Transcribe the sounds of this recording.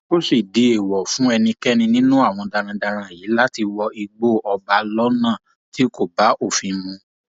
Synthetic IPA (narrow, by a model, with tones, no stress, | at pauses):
o˦si˦˨di˨e˨wɔ˨fũ˨˦ɛ˧nĩ˧kɛ˦nĩ˧nĩ˦nũ˦a˦˨w̃ɔ̃˧da˧ɾ̃ã˧da˧ɾ̃ã˧˨ji˨˦la˦ti˧wɔ˧ʔi˧ɡ͡bo˦˨ʔɔ˧ba˨˧lɔ˦nãː˦˨ | ti˨˦ko˦˨ba˨˦ʔo˦˨fĩ˧nũ˧˦